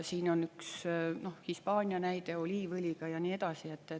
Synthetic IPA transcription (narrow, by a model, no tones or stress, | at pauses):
siːno̞nyksno̞hhispɑːnʲiɑnæjd̪e̞olʲiːvɯlʲiɡ̥ɑjɑniːe̞d̪̥ɑsiet̪ːe